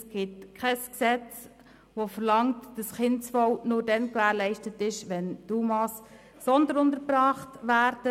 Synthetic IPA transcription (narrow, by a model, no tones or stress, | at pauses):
sɡ̥ɪtkʰχɛsksɛt͡s | ʋofəɾlɑŋtd̥ɑsχɪntsfɔwnʊːɾdɛnkʋæːɾlɛɪʃtətɪʃʋɛntumɑs | sɔndənʊndəɾbɾɑːχtʋæːɾd̥ə